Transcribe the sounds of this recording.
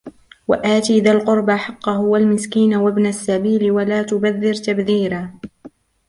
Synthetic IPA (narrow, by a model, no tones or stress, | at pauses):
wa̰ʔaːt̪iːðalqʊɾbaħɑqːɑɦʊwalmɪskiːnawabnasːabiːlɪwalaːt̪ʊbaðːɪɾt̪abðiːɾaː